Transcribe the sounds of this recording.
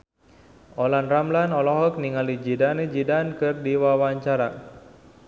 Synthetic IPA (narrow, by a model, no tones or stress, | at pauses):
olanramlanɔlɔɦɔkniŋalid͡ʒidaned͡ʒidankɨrdiwawaɲt͡ʃaɾa